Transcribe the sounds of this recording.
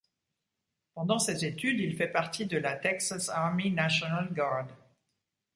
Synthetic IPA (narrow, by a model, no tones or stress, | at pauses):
pɑ̃d̪ɑ̃sezet̪yd̪ilfɛpaʁt̪id̪əlat̪ɛksasaʁmenaʃɔnalɡaʁd̪